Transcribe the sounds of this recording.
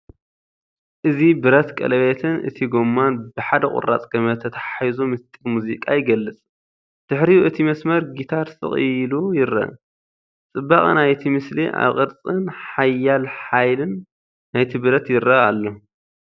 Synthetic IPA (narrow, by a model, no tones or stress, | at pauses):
ʔɨzibɨɾɐt̪kʼɐ̰lɐβet̪ʰɨnɨ̰t̪ʰiɡomːanbɨħad̪ɐχʼʊ̰ɾa̰t͡sʼɡ̥ɐmɐt̪ʰɐt̪ʰḁħajzomɨst̪ʼimuzikʼajɪɡɐlːɨt͡sʼ | d̪̥ɨħɾiʔɨt̪ʰimɐsmɐɾɡit̪ʰaɾsɨ̰χʼɨlujɪɾɐ̰ | t͡sʼɨbːaχʼnajt̪ʰimɨsliʔa̰βχʼɨɾt͡sʼɨnħajːalħajlɨnː | ajt̪ʰibɨɾɐt̪jɪɾɐalːo